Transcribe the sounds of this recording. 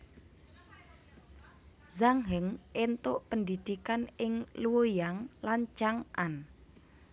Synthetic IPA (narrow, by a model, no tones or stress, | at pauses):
zaŋɦəŋʔent̪ʊʔpənd̪id̪̥ikanɪŋluwojaŋlant͡ʃaŋʔan